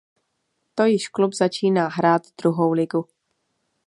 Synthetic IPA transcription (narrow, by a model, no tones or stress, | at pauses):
t̪o̞jɪʃklubzat͡ʃiːnaːɦɾaːt̪d̪ɾuɦo̞wlɪɡu